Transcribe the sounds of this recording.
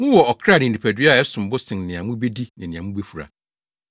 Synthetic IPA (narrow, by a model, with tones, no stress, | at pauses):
mʊ̃˦wɔ˨ɔ˨kʰɾa˦˨nɪ̃˨n̩˨i˨pʰæ˨dɥa˦˨ɛ˦sʊ̃˨m˨bʊ˦sɪ̃˨nnɪ̃˨ã˨mʊ̃˦be˦di˦nɪ̃˨nɪ̃˨ã˨mũ˦be˦fu˨ɾa̰˨